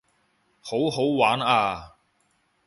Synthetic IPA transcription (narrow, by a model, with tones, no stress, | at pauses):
ho˨˥wɦo˨˥wwaː˨˥naː˧